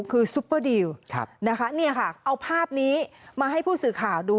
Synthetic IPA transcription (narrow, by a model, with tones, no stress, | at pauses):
kʰɯː˧su˦˥pːə˧˩di˧wkʰna˦˥kʰa˦˥ni˥˩ɐkʰa˥˩ʔa˧wpʰaː˥˩p̚niː˦˥maː˧ɦa˥˩jpʰuː˥˩sɯː˨˩kʰaː˨˩wduː˧